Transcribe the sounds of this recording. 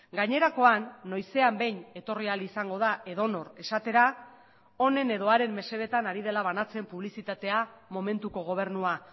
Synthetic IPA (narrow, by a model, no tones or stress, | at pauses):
ɡaɲe̞ɾako̞anːo̞jse̞ambe̞jɲe̞t̪o̞rialisaŋɡo̞ð̞aʔe̞ðo̞no̞ɾe̞sat̪e̞ɾa | o̞ne̞ne̞ðo̞aɾe̞mːe̞se̞β̞e̞t̪anaɾið̞e̞laβ̞anat͡se̞mpuβlisit̪at̪e̞amo̞mẽ̞nt̪uko̞ɣ̞o̞β̞e̞ɾnua